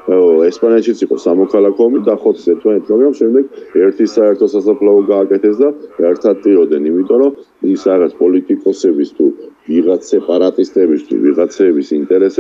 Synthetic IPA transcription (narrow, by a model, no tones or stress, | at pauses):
ɛspʼanɛt̪ʃit̪sʰiqʼɔsamɔkʰalakʰɔmid̪aχɔt̪ʰsɛɾt̪ʰmanɛt̪smaɡɾamʃɛmd̪ɛɡɛɾt̪ʰisaɛɾt̪ʰɔsasapʰlaɔɡaːkʼɛt̪ʰɛsd̪aɛɾt̪ʰat̪ʼiɔd̪ɛnimit̪ʼɔɾɔ | isaʁat̪sʰpʼɔlit̪ʼikʼɔsɛbist̪ʰuviʁat̪sʰɛpʼaɾat̪ʼist̪ʼɛbist̪ʰṵviʁat̪sʰɛːbisint̪ʼɛɾɛsɛ